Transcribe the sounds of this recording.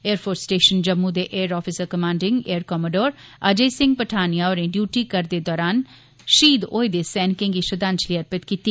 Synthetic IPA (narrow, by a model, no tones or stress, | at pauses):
eːəɾpʰoːɾsʈeːʃənd͡ʒəmːud̪eʔeːɾɔːfʰisəɾkəmãːɳɖɪŋɡeːəɾkɔməɖoːɾəd͡ʒeːsɪ̃ŋɡpəʈʰaːnijaɔːɾẽːɖjuːʈikəɾd̪eːd̪ɔːɾaːn | ʃiːd̪o̰ːed̪esɛːnkɪ̃ŋɡiʃəd̪ãːnt͡ʃliːəɾpɪt̪kiːt̪ːi